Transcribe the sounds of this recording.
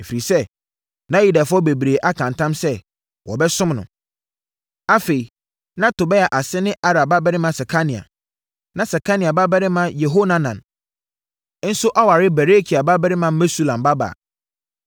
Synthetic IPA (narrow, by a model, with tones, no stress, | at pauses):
e˨fi˨i˨sɛ˦ | nã˦ji˦da˨fʊ˦ɔ˦be˨bɾeː˨ʔa˦kʰã˨ntʰã˦msɛ˦ | wɔ̰˨bɛ˦sʊ̃˦mnʊ̰̃˨ | a˦fe˨i˨ | nã˦tʊ˨bɛ˦ja˨ʔa˨sɪ˦nɪ̃˦ʔa˦ɾa˨ba˦bɛ˦ɾɪ˦mã˨sɛ˨kʰa˦nĩ˨a̰˨ | nã˦sɛ˨kʰa˦nĩ˨a˨ba˦bɛ˦ɾɪ˦mã˦je˨ɦo˦nã˦nã̰˨n˦ | n̩˦sʊ˦ʔa˦wa˨ɾɪ˦bɛ˨ɾe˦kʰi˨a˨ba˦bɛ˦ɾɪ˦mã˦mɛ˦su˦˨lã˨mba˦ba̰ː˨